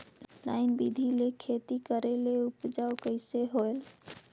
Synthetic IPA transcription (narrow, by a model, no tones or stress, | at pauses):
la̰ɪnbid̪ʱilekʰet̪ikəɾeleupd͡ʒawkəɪseɦoel